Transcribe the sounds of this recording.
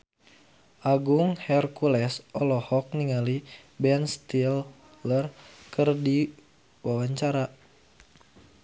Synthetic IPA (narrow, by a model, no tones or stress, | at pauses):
ʔaɡuŋhɛrkulɛsʔɔlɔhɔk̚niŋalibɛnst̪il | lərkɨrdi | wawaɲt͡ʃaɾa